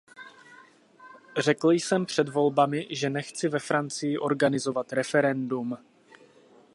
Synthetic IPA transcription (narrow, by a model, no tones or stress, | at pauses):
r̝ɛkl̩jsɛmpr̝̥ɛdvo̞lbamɪʒɛnɛxt͡sɪvɛfɾant͡sɪjɪʔo̞ɾɡanɪzo̞vat̪ɾɛfɛɾɛndum